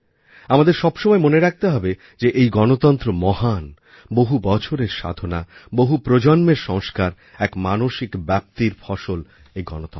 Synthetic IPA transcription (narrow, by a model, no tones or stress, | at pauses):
amad̪eɾʃɔbʃɔmɔemoneɾak̚ʰt̪eɦɔbe | d͡ʑeʔejɡɔnot̪ɔnt̪ɾomɔɦan | boɦubɔt͡ɕʰoɾeɾʃa̰d̪ʱonaboɦupɾod͡ʑɔnmeɾʃɔŋskaɾ | ɛkmanoʃikbɛp̚t̪iɾfɔʃol | ejɡɔ̰not̪